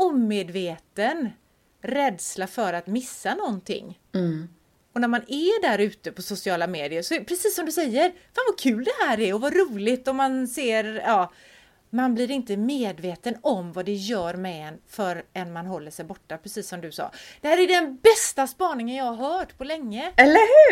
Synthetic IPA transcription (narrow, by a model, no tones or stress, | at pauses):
ʊmːeːd̪veːt̪ən | ɾɛːd̪slafœɾat̪mɪsːanɔnt̪ʰɪ̰ŋː | ɔnæɾmanæɖæɾʉ̟ːt̪əpʰɔsʊsɪɑːlameːd̪ɪəɾsɔpʰɾɛsiːsːɔmd̪ɵsɛjːəɾfaːnvɑkʰʉːld̪ɛɦæːɾɛɾɔvaɾuːlɪt̪ɔmːanseːɾɑː | manblɪɾɪnt̪əmeːd̪veːt̪ənɔmvad̪ɛjœːɾmɛɛnfœɾɛnmanɦɔlːəʂɛjbɔʈːapʰɾɛsiːsːɔmd̪ɵsɑ̰ːd̪̥ɛhæːɾæɖɛnbɛst̪aspɑːnɪŋənjɑːhaɾɦœːʈpʰɔlɛŋːəɛlːəhʉ